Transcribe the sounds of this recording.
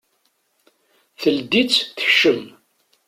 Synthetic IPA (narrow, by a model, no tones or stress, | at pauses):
θəld̪it͡sθə̥çːəm